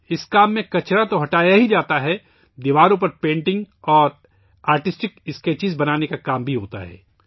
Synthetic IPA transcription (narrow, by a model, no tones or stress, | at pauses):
ɪskaːmːẽkɐt͡ʃɾat̪oɦɐʈaːjaɦid͡ʒaːt̪aɦɛ | d̪ɪʋaːɾõp̬ɐɾpẽːɳʈɪ̃ŋɡ | ɔːɾ | aːɾʈɪsʈɪkɪskeːt͡ʃɪzbɐnaːnekakaːmbʱiɦoːt̪a̰ɦɛ̰ː